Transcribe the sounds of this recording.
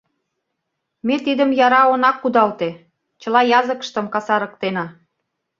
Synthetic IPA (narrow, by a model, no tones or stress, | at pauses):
met̪id̪ə̆mjɑɾɑonɑkːud̪ɑlt̪e | t͡ɕə̆lɑjɑzəkə̥̆ʃt̪ə̆mkɑsɑɾɤ̆kt̪enɑ